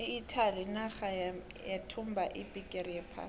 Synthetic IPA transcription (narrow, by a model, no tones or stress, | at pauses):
ɪitʰalinaxa | jatʰʊmbaʔipʼikʼerijɛpʰa̰ː